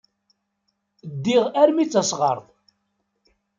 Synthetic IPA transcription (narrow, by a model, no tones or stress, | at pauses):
d̪ːiʁæɾmit͡sːɑsʁɑ̰ɾˤðˤ